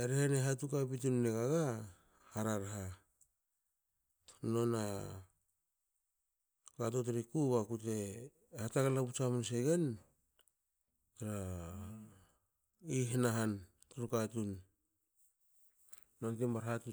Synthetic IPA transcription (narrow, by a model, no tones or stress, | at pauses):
eɾeheneɦatukabitunːeɡaɡa | haɾaɾɦa | no̞na | kato̞t̬eɾikuɡakute̞ | hatakalaput͡ʃamuns̬e̞ɡe̞n | taɾa | iɦenaɦan | tɾukatun | ontimaɾɦatu